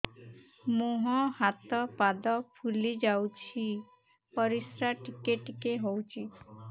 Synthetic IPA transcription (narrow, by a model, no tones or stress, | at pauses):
moɦɔ̃hat̪ɔpad̪ɔpʰulid͡ʒawt͡ʃʰi | pɔɾisɾaʈikeʈikeɦowt͡ʃʰi